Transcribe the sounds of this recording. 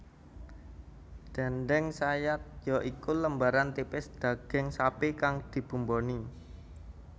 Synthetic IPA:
d̪̥ɛ̤nd̪ɛŋsajat̪̚jɔʔikuləmbaɾant̪ipɪsd̪̥ä̤ɡ̥ɪ̤ŋsapekaŋd̪̥i̤b̥ṳmbɔni

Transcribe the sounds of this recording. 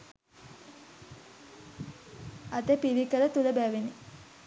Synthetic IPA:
at̪epiɾikələt̪uləbæːʋeni

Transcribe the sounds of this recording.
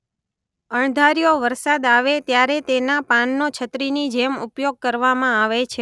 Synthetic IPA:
əɳd̪ʱaɾijoʋəɾsad̪aʋet̪jaɾet̪enapanːot͡ʃʰət̪ɾinid͡ʒemupjoɡ̚kəɾʋamãaʋet͡ʃʰe

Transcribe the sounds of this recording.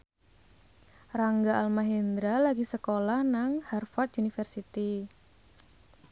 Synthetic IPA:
raŋɡaalmaɦend̪ɾalaɡisəkolahnaŋharfat̪̚unifərsit̪i

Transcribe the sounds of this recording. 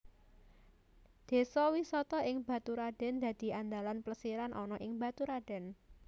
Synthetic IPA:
d̪̥e̤sɔwisɔt̪ɔʔɪŋb̥ä̤t̪uɾaɖ̪̥ɛ̤nd̪̥ä̤d̪̥i̤ʔand̪alanpləsiɾanʔɔnɔʔɪŋba̤t̪uɾaɖ̥ɛ̤n

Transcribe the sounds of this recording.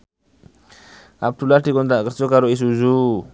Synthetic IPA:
a̰p̚dulasdikɔnt̪ɾaʔkərd͡ʒɔkaɾois̬uzu

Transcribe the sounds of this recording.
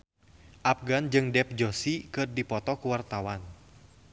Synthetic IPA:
ʔap̚ɡand͡ʒɨŋdɛp̚d͡ʒosikɨrdipɔt̪ɔkuwart̪awan

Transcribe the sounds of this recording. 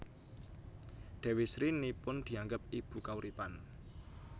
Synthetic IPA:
ɖ̪̥ɛ̤wɪsɾinipʊnd̪̥i̤aŋɡəp̚ib̥ṳkauɾipan

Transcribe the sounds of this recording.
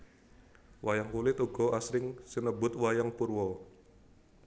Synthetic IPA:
wʔajaŋkulɪt̪uɡ̥ɔasɾɪŋsinəbʊt̪wajaŋpurwɔ

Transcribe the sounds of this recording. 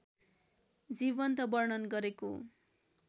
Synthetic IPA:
d͡zibʌnt̪ʌbʌrɳʌnɡʌɾeko

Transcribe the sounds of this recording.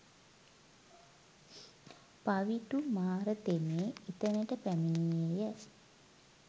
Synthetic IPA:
paʋiʈumaːɾət̪emeːit̪ənəʈəpæminijejə

